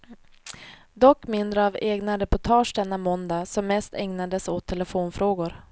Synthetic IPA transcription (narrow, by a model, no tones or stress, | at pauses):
d̪ɔkːmɪnd̪ɾəaveːɡnaɾɛpʊʈʰɑːʂɖ̪ɛnːamɔnd̪asɔmːɛst̪ɛŋnad̪əsot̪ʰːɛləfoːnfɾoːɡʊɾ